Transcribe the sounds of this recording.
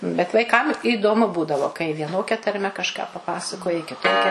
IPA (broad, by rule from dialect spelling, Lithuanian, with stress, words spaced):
bʲɛt ʋɐɪˈkɐm iːdoːˈmʊ ˈbuːdɐʋoː kɐɪ ʋʲiɛˈnoːkʲɛ tɐrʲˈmʲɛ kɐʃˈkɑː pɐˈpɑːsɐkoːjɪ kʲɪˈtoːkʲɛ